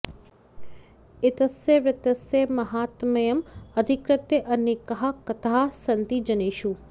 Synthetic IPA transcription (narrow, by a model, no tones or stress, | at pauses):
ɪt̪əseʋɪt̪əsemɐɦaːt̪mɐjəmɐd̪ʱɪkɾɪt̪jeʔɐnːikɐɦakɐt̪ʰaːsɐnt̪id͡ʒɐneːʃu